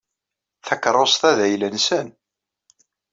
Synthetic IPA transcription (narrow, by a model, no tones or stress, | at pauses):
θækːɾˤosˤθæðæjlənsən